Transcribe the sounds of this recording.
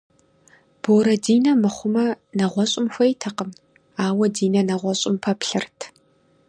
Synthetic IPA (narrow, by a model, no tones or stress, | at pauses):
b̥oːɾɐdiːnɐmɨχʷʊmɐ | nɐʁʷɔɕʼɪmxʷɐjtʰɐqəm | aːwɐdiːnɐnɐʁʷɔɕʼɪmpʰɐpɬɨrtʰ